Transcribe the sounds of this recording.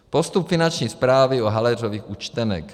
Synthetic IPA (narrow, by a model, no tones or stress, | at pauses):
post̪upfɪnant͡ʃɲiːspɾaːvɪoɦalɛroviːxut͡ʃt̪ɛnɛ̰k